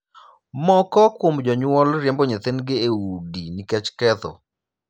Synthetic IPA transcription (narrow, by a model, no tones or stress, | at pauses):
mɔkɔkwomd͡ʒɔɲwɔlɾjɛmbɔɲɛt̪enɡɪeudinɪkɛt͡ʃkɛt̪ɔ̰